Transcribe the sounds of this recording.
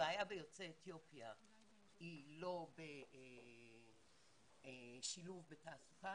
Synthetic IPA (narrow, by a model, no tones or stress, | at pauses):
eajabejo̞t͡seːt̪jo̞pja | ilo̞be | ʃiluvbetaːsu̥ka